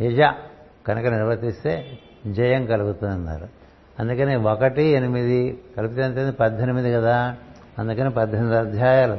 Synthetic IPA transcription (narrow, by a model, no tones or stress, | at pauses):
ɦid͡ʒa | kɐnɐkɐniɾʋɐt̪ist̪e̞ː | d͡ʒɐjɐŋkɐluɡut̪ununːa̰ːɾu | ɐnd̪ukɐneːʋokɐʈienimid̪ikɐlupit̪eɐɳʈeːnd̪ipɐd̪ʱːenimid̪ikɐd̪aː | ɐnd̪ukɐneːpɐd̪ʱːend̪ɐd̪ʱjaːjaːlɐ